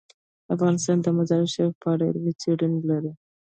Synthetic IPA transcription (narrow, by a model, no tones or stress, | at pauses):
afɣɑnɪst̪ɑnd̪əmazɑɾɪʃapɑɽḛɾmit͡seɽinlaɾi